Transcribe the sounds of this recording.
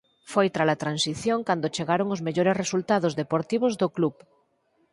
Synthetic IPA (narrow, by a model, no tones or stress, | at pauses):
fojt̪ɾalat̪ɾãnsiθjoŋkand̪ot͡ʃeɣaɾoŋozmeʎoɾeresult̪aðozðepoɾt̪iβozðoklup